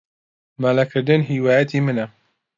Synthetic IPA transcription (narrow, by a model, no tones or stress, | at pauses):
maːlɐkʰɨɾd̪ɨnɦiːwaːjɐt̪ʰimɨnɐ